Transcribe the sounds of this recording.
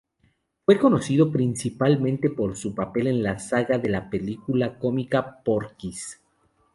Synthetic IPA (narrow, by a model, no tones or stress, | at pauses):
fwe̞ko̞no̞siðo̞pɾinsipalmẽnt̪e̞po̞ɾsupape̞le̞nlasaɣaðe̞lape̞likulako̞mikapoɾkis